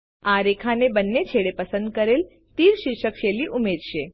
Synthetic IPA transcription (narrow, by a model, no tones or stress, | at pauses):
aɾekʰanebənːet͡ɕʰeɽepəsənd̪̚kəɾel | t̪iːɾʃiɾɕəkʃeliʔumed̪ʃe